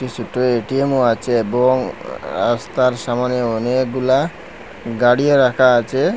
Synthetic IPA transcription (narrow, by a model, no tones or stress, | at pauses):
kit͡ʃʰuʈoeʈiemoat͡ɕʰeeboŋɾa̰st̪aɾʃamaneɔnekɡula | ɡaɽioɾakʰaːt͡ɕʰe